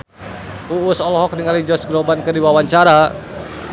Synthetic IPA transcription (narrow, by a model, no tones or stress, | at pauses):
uusɔlɔɦɔk̚niŋalid͡ʒɔsɡɾɔbankərdiwawaɲt͡ʃaɾa